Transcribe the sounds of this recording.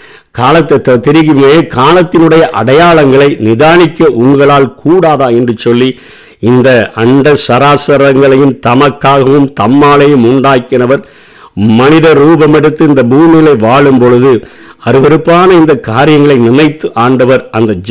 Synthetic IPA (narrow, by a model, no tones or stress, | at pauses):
kaːlɐt̪ːɐt̪ːɐt̪ːɪɾɪɣɪɐjeːkaːlɐt̪ːɪnɯɽɐjɐʔɐ̰ɽɐjaːɭɐŋɡɐɭɐɪnɪðaːnɪkːɐʔʊŋɡɐɭaːlkʰuːɽaːðaːɛndrɯt͡ʃːɔlːi | ɪnd̪ɐɐɳɖɐsɐɾaːsɐɾɐŋɡɐɭɐjɯmt̪ɐmɐkːaːɣɐʋɯmt̪ɐmːaːɭɐjɯmʊɳɖaːkːɪnɐʋɐɾ | mɐnɪðɐɾuːbɐmɛɽɯt̪ːɯɪnd̪ɐbuːmɪɣɐɭɐɪʋaːɭɯmpɔɻɯðɯ | ɐɾɯʋɐɾɯpːaːnɐɪnd̪ɐkaːɾɪjɐŋɡɐɭɐɪnɪnɐɪt̪ːɯʔaːɳɖɐʋɐɾɐnd̪ɐd͡ʒ